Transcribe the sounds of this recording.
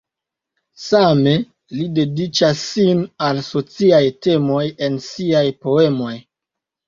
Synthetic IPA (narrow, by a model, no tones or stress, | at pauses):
same̞ | lide̞dit͡ʃasːinalso̞t͡siajte̞mo̞je̞nsiajpo̞e̞mo̞j